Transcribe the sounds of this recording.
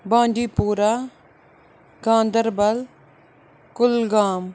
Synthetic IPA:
bãːɳɖiːpuːɾaː | ɡãːnd̪əɾbɐl | kʊlɡaːm

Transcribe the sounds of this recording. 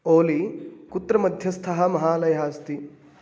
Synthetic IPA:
oːlikut̪ːɾɐmɐd̪ʱjɐst̪ʰɐɦɐ̆mɐɦaːlɐjɐɦaːst̪i

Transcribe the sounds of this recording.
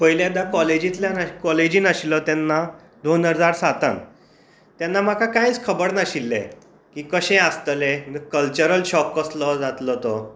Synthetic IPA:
pəɦjljad̪akɔled͡ʑĩt̪ljanakɔled͡ʑĩːnaɕilət̪janːa | d̪onəd͡zaɾsat̪a̰n | t̪janːam̤akakãjt͡skʰəbəɽnaɕilːḛ̃ | kiːkəɕɛ̃ast̪əlẽmikəlt͡ɕəɾəlɕɔkːəslɔd͡zat̪lɔt̪ɔ

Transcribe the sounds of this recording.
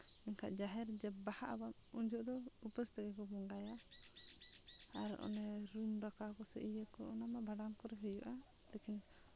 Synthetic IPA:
ɛŋkʰa̰ʔd͡ʒaɦɛɾd͡ʒɛbahaʔaban | uɲd͡ʒɔʔd̪ɔupəst̪ɛɡɛk̬ɔbɔŋɡaja | aɾ̰ʔɔ̰nɛɾumɾakakɔsɛ̰ʔijəkɔɔnamabʱaɖankɔɾɛɦɛjɔʔa | lɛkin

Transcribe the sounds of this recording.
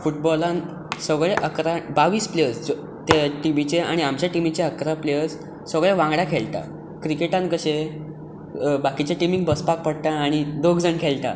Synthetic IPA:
fuʈ̚bɔlãn | səɡɭeʔəkɾabaʋiːspleəsd͡z | t̪eʈimit͡ɕea̰ɽ̃iamt͡ɕaʈimit͡ɕeəkɾapleəs | səɡɭjaʋãŋɡɽakʰeɭt̪a̰ | kɾikeʈãn̚kəɕe | bakit͡ɕaʈimiŋɡ̚bəspak̚pəɽt̪aːɽ̃id̪oɡd͡zəɳkʰelt̪a̰

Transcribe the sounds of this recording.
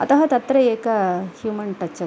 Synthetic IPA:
ɐ̰t̪ɐɦɐt̪ɐt̪ːɾɐeːkɐhjuːmɐɳʈɐt͡ʃːɐ

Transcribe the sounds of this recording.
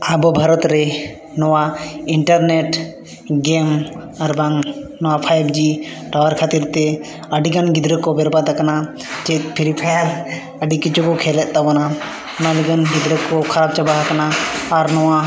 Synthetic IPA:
abɔbʱaɾɔt̪ɾe | nɔwaiɳʈəɾneʈ | ɡem | aɾbaŋnɔwapʰajbd͡ʒiʈawaɾkʰat̪iɾt̪e | ɐɖiɡanɡid̪ɾəkːɔbeɾbat̪akana | t͡ʃepʰiɾipʰajaɾ | əɖikit͡ʃʰukɔkʰelɛʔt̪abɔna | naɖiɡanɡid̪ɾəkːɔkʰaɾab̚t͡ʃabaɦakanaːɾnɔwa

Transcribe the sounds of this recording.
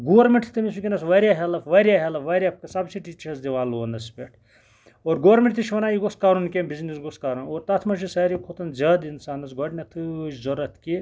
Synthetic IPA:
ɡoːʋɐɾmʲeɳʈʰt̪ɐmis̬ukʲinɐsʋɐɾʲjaːɦɐlɐfʋɐːɾʲjaɦɐlɐʋɐɾʲjap̚kɐsɐbsiʈiːt͡ʃɐɾsd̪iʋaːloːnd̪ɐspʲeʈʰ | oːɾɡoʋɐɾmʲeɳʈt̪it͡ʃʰʋɐnaːjiɡoskaːɾunkʲembiznisɡoskaːɾunoːɾt̪ɐt̪ʰmɐʃ̬isɐːɾikʰot̪ɐnzɐːd̪insaːnɐsɡoɖnʲɐt̪ʰɨʃzɐɾɐt̪ʰki

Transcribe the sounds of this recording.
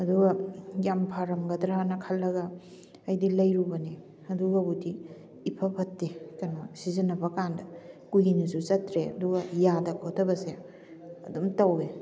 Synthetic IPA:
ɐduɡɐjampʰaɾɐmɡɐdɾanɐkʰɐlːɐɡɐ | ɐjdilɐjɾubɐne | ɐduɡɐbudiː | pʰɐbʰʱɐtːekɐnasizɐnɐbɐkandɐkujinusut͡ʃɐtɾeɐduɡɐjadɐkʰotʰɐbɐse | ɐ̰dumtawe

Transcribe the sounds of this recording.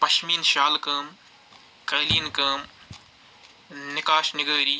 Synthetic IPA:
pɐʃmiːnʃaːlkɐːm | kɐːliːnkɐːm | nɪkaːʃnɪɡəːɾiː

